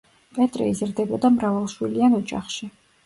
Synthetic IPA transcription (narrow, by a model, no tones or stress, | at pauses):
pʼɛt̪ʼɾɛ̰izɾd̪ɛbɔd̪amɾavalˠʃwilianɔd͡ʒa̰χʃi